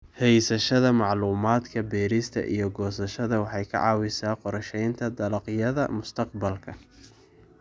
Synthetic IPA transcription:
hɛjsɐʃɐðɐmɑʕluːmaːd̪kʰɐbɛːɾist̪ʰɐ̰ʔḭjɞɡɔːsɐʃɐðɐwɑħɑjkʰɐ̰ʕɑ̰ːwɪsaːqɔɾɐʃɛjnt̪ʰɐd̪ɐlɑqjɐðɐ̰mʊst̪ʰɐqbɐlkʰɐ

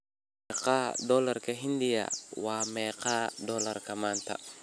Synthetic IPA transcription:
ɛqadɔlɐɾkɐɦind̪ɪja̰waːmɛqaːdɔlɐrkɐmaːnt̪ʰɐ̰

